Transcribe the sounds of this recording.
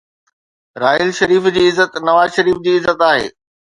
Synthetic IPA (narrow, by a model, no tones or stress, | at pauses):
ɾaːɪlʃɐɾiːfd͡ʑiːɪzːət̪nɐʋaːzʃɐɾiːfd͡ʑiːɪzːət̪aːɦḛː